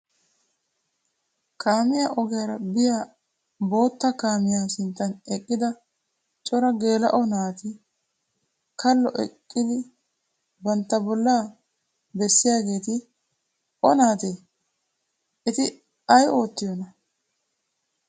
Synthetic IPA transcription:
kʰaːmɪjaːʔɔɡɛjɐɾɐbɪjaː | bo̞ːt̪ːɐkaːmɪjaːsɪnt̪ːɐnɛkʼːɪd̪ɐ | t͡ʃʼɔɾɐɡe̞ːlɐ̰ʔɔnaːt̪ɪ | kɐlːɔ̰ʔɛ̰kʼːɪd̪ɪ | bɐnt̪ːɐbɔlːaː | bɛsːɪjaːɡe̞ːt̪ɪ | ʔɔnaːt̪eː | ɛt̪ɪ | ɐjʔo̞ːt̪ːɪjɔnɐ

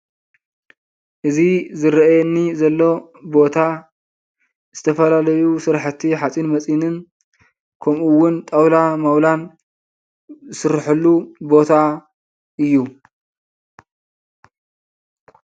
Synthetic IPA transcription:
ʔɨzizɨɾɐjɛnːizɐlːo̞bo̞t̪ʰa | z̥ɨt̪ʰɐfɐlalɐjusɨɾħɨt̪ʰːiħat͡sʼinmɐt͡sʼinɨn | kʰɐmʔuwʊnt̪ʼɐwlamɐwlan | zɨsɨɾħɨlːubo̞t̪ʰa | ɨjːu

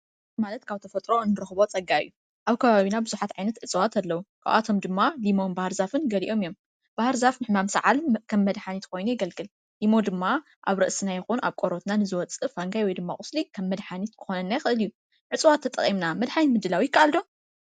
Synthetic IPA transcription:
malɐt̪kʰaβt̪ʰɐfɐt̪ʼɾo̞ɨnːɨɾɨxβo̞t͡sʼɐɡajːu | ʔaβkʰɐβaβinabɨzuħat̪ʕajnɐt̪ʕɨt͡sʼwat̪ʰɐlːɐwukʰa̰wʔa̰t̪ʰo̞md̪ɨmːalimo̞nbahɨɾzafɨnɡɐliʔo̞mijo̞m | b̥ahɾzafnɨħmamsɨʕalkʰɐmːɐd̪ħanit̪kʰo̞jnujɪɡɐlkʼɨl | limo̞d̪ɨmːa | ʔaβɾɨʔsɨnajɛxunʔaβkʼoɾo̞t̪nanɨzɨwɔt͡sʼɨfaŋɡajwɔjd̪ɨmːaχʼʊslikʰɐmːɐd̪ħanit̪kʰɨ̥xo̞nɐnːajɪxɨʔɨliju | ʕɨt͡sʼwat̪ʰːɐt̪ʼɐ̰χʼimnamɐd̪ħanitmɨd̪ːɨlawijɪkʰːaʔald̪o̞

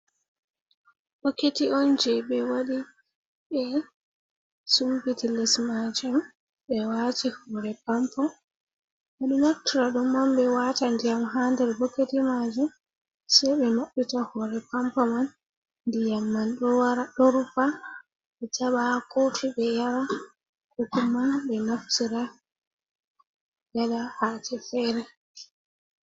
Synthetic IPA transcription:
b̥okːetiɔnd͡ʒɛbɛwaɗi | ɓɛ | sumbitilɛsmad͡ʒum | bɛwatihɔːɾɛpampɔ | waɗinoftiɾaɗumɔmɓɛwatandijamɦandɛɾbokːetimad͡ʒum | sɛjɓɛnoɗːitahɔɾɛpampɔman | ndijamːanɗɔwaɾaɗɔɾupa | ɓɛt͡ʃaɓakotiɓɛjaɾa | kukumanɓɛnoftiɾa | jalahatɛfɛɾɛ

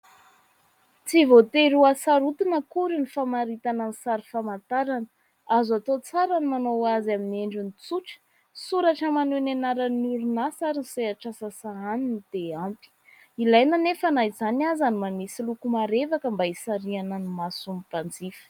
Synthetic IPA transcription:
t͡sivot̪eɾuasaɾut̪inəkuɾinifamaɾit̪ananisaɾifamant̪aɾanə | azat̪ot͡saɾanimanowazamineɳɖ͡ʐunit͡suʈ͡ʂə̥ | suɾaʈ͡ʂəmanenanaɾənuɾunasaɾinseaʈ͡ʂasasaaninit̪eampi̥ | ilajnanefanaizanazanimanisilukumaɾevakəmbaisaɾianənimasumipand͡zifə̥

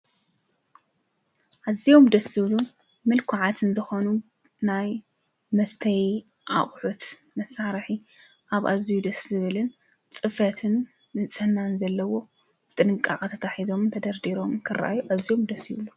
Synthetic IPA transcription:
ʔazːijo̞md̪ɐsɨβlu | mɨlkʰʊʕat̪ʰɨnzɨxonu | naj | mɐst̪ʰɐj | ʔa̰χʼħut̪ | mɐsaɾħi | ʔaβʔazijud̪ɐszɨβɨlɨn | t͡sʼɨfɐt̪ʰɨnː | ɨt͡sʼɨhnanzɐlːɐwo̞ | b̥ɨt̪ʼɨnɨkʼːa̰χʼt̪ʰɐt̪ʰaħizo̞mt̪ʰɐd̪ɐɾd̪iɾo̞mkʰɨra̰ʔa̰juʔazːijo̞md̪ɐsiβlu

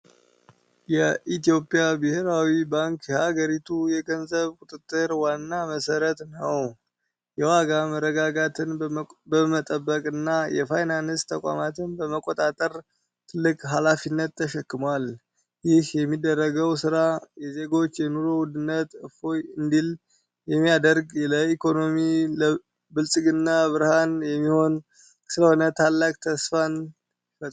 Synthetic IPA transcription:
jɛʔit̪ijo̞pʼijabɨheɾawibaŋkjɛhaɡəɾit̪ʰujɛɡənzəβkʼʊt̪ʼɨt̪ʼːɨɾwanːaməsəɾət̪nəw | jɛwaɡaməɾːəɡaɡat̪ʰɨnbəmət̪ʼəbːəkʼɨnːajɛfajnanɨst̪ʰəkʷʼa̰mat̪ʰɨnbəməkʼːot̪ʼat̪ʼəɾ | t̪ʰɨlːɨkʼɦalafinːət̪ːʰəʃɛkːɨmwal | jɪhjɛmːid̪ːərːəɡəwsɨɾajɛze̞ɡo̞t͡ʃːjɛnuɾowud̪ɨnːət̪ɨfo̞jɨnd̪il | jɛmːijad̪əɾɡləikʰo̞no̞milə | bɨlsʼɨɡɨnːaβɨɾhanjɛmːiho̞n | sɨləhonət̪ʰalːakʼt̪ʰəsfan

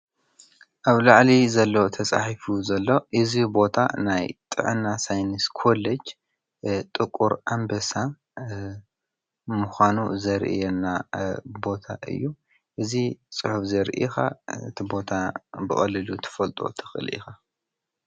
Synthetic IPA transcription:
ʔaβlaʕlizɐlːot̪ʰɐt͡sʼa̰ħifuzɐlːo̞ʔɨzibo̞t̪ʰa̰najt̪ʼɨ̰ʕɨ̰nːasajnɨskʰo̞led͡ʒ | t̪ʼɨkʼːuɾʔambɐsa | muxʷanuzɐɾʔḭjɛnːabo̞t̪ʰaʔɨ̰jːu | ʔɨzit͡sʼɨħufzɐɾʔḭxa̰ɨt̪ʰibo̞t̪ʰabɨxʼɐlːɨlut̪ʰɐ̥fɐlt̪ʼo̞̰t̪ʰɨ̥xɨ̰lʔḭxa

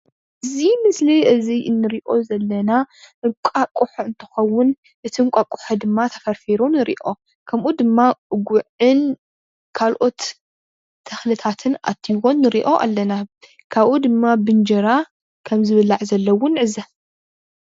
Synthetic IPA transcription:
ʔɨzimɨsliʔɨziʔɨnːɨɾiʔo̞zɐlːɐnaʔɨŋkʷʼakʼuħɨnt̪ʰɨ̥xɐwːʊn | ʔɨt̪ʰiŋkʷʼakʼːʊ̥ħɐd̪ɨmːat̪ʰɐ̥fɐɾfiɾonɨɾḭʔo̞ | kʰɐmʔud̪ɨmːaɡʷuʕɨn | kʰalʔo̞t̪ʰː | ɐxlɨt̪ʰat̪ʰɨnʔa̰t̪ʰːiwo̞nːɨɾiʔo̞ʔa̰lːɐna | kʰaβʔud̪ɨmːabɨnd͡ʒɐɾa | kʰɐmzɨβɨlaʕzɐlːɐwːʊnʕɨza

